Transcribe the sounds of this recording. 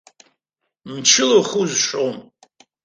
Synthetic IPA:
mt͡ʃʰɪloχuzʂowm

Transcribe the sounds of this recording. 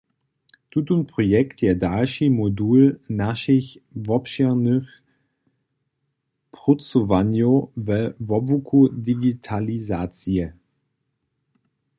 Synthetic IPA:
d̥utʊntpʁ̥ojɛktjɛɐdalʃimoduːlnaʃɪçvɔpʃɛnyχ | pʁʊt͡sovanjovɛvɔvukʰudiɡitʰalizaːt͡siə

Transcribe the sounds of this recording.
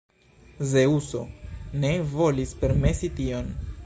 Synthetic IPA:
ze̞uso̞̰ne̞vo̞lispe̞ɾme̞sitio̞n

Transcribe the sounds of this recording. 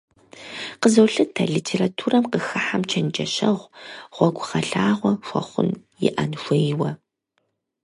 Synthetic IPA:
qəzɐwɬɨtʰɐɮitʰeːratʰuːrɐmqəxɨħamt͡ʃʰɐnd͡ʒʼɐɕɐʁʷʁʷɔɡʷʁɐɬaːʁʷɔxʷɐ̰χʷʊ̰n | jɪ̰ʔanʃʷejwɐ

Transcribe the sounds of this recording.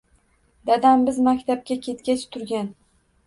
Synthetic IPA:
d̪ad̪ambɪzmakʲt̪ʰap̚kʲakʲʰe̞t̪kʲat͡ʃʰt̪ʰʊɾɡʲan

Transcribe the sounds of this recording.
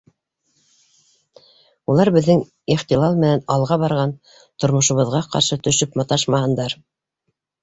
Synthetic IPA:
ulˠɑɾbɘ̆ðːɘŋ | iχt̪ilˠɑlˠmɘ̆nænɑlˠʁɑβɑɾʁɑn | t̪ŏɾmŏʃŏβɤ̆ðʁɑqɑ̰ɾʃɤt̪ɵ̆ʃɵpmɑt̪ɑʃmɑhɤ̆nd̪ɑɾ

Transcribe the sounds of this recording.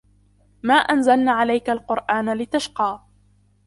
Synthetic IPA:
maːʔanzalnaːʕalajkalqʊɾʔaːnalɪt̪aʃqɑː

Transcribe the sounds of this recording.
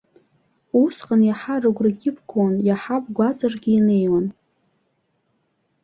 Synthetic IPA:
usqʼanjaħarɨɡʷrɨɡʲɪpʰɡʰʼonjaħapʼɡʷat͡sʼarɡʲɪːnejwan

